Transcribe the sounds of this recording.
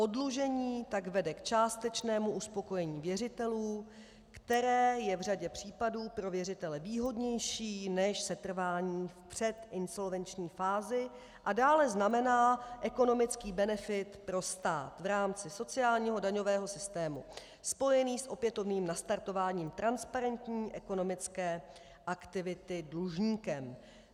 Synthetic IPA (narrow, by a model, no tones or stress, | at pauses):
ʔo̞dluʒɛɲiːt̪aɡvɛdɛkt͡ʃaːst̪ɛt͡ʃnɛːmuuspo̞ko̞jɛɲiːvjɛrɪt̪ɛluː | kt̪ɛɾɛːjɛvr̝aɟɛpr̝̥iːpaduːpɾo̞vjɛrɪt̪ɛlɛviːɦo̞dɲɛjʃiːnɛʃsɛt̪r̩vaːɲiːfpr̝̥ɛt̪ʔɪnso̞lvɛnt͡ʃɲiːfaːzɪ | ʔadaːlɛznamɛnaːʔɛko̞no̞mɪt͡skiːbɛnɛfɪt̪pɾo̞st̪aːt̪vɾaːmt͡sɪso̞t͡sɪaːlɲiːɦo̞daɲo̞vɛːɦo̞sɪst̪ɛːmṵ | spo̞jɛniːsʔo̞pjɛt̪o̞vniːmnast̪aɾt̪o̞vaːɲiːmt̪ɾanspaɾɛnt̪ɲiːʔɛko̞no̞mɪt͡skɛː | ʔakt̪ɪvɪt̪ɪdluʒɲiːkɛm